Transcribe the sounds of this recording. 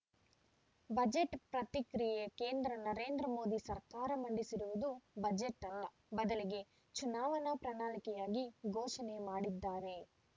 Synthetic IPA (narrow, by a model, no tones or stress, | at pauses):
bɐd͡ʒeʈpɾɐt̪ikɾijjeke̞ːnd̪ɾɐnɐɾe̞ːnd̪ɾɐmo̞ːd̪isɐɾkaːɾɐmɐɳɖisiɾuʋud̪ubɐd͡ʒeʈːɐlːɐ | bɐd̪ɐliɡe̞ | t͡ʃunaːʋɐnɐpɾɐnaːlikɛjaːɡiɡʱoːʃɐnemaːɽid̪ːaːɾe̞